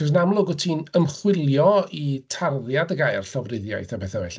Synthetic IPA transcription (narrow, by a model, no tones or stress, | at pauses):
ɔsnamlˠʊɡɔtʰiːnəmχwɪlˠjɔitʰarðjadəɡaːjarɬɔvrɪðja̰jθabɛθavɛɬ